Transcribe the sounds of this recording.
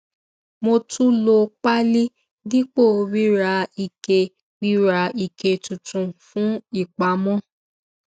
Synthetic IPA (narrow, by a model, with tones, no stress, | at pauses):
mo˧tu˦lo˧k͡pa˦li˦ | di˦k͡po˦˨˧wi˦ɾa˧i˨ke˧ | wi˦ɾa˧i˨ke˧tũ˨tũ˧fũ˦i˦˨k͡pa˨˦mɔ̃˦